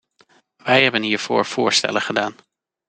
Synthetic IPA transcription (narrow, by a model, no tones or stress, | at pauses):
ʋɛjɦɛbənɦiːɹv̥ʊ̰ːɹv̥ʊːɹstɛ̰ləχədaːn